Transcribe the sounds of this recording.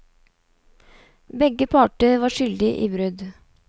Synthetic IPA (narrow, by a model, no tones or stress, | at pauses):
bɛɡəpʰɑːʈəʋɑːʃʏld̪ɪʔḭːbɾʉd̪